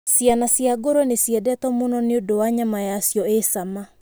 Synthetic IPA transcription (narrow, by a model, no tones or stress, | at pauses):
sianasiaɡoɾɔnesjɛdɛtɔmonɔneodowaɲamajasjɔesama